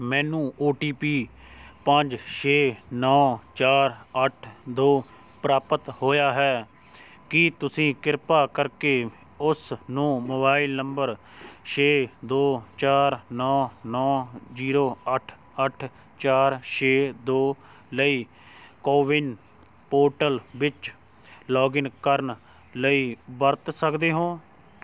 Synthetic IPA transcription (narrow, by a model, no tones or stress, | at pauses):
mɛ̃ːnũːoːʈiːpiː | pəɲd͡ʒʃʰeːnɔːt͡ʃaːɾəʈʰd̪oː | pɾaːpət̪ɦoːjaːɦɛː | kɪt̪ʊsĩːkɪɾpaːkəɾkeː | ʊsnũːmoːbaːɪlnəmbəɾ | ʃʰeːd̪oːt͡ʃaːɾnɔ̃ːnɔ̃ːziːɾoːəʈʰ | əʈʰ | t͡ʃaːɾʃʰeːd̪oː | ləiː | koːʋɪn | poːʈəlʋɪt͡ʃ | lɔːɡɪnkəɾn | ləiːbəɾt̪səkd̪eːɦõː